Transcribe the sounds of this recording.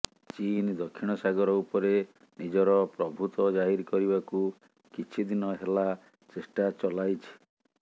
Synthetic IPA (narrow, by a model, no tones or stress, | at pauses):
t͡ʃind̪ɔkʰːiɽ̃ɔsaɡɔɾɔupɔɾe | nid͡ʒɔɾɔpɾɔbʱut̪ɔd͡ʒaɦiɾkɔɾibaku | kit͡ʃʰid̪inɔɦela | t͡ʃesʈat͡ʃɔlajt͡ʃʰi̥